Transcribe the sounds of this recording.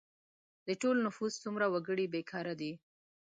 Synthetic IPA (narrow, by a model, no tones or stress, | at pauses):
d̪̥əʈolnʊfuzt͡sumɾawaɡəɽibekʰɑɾad̪i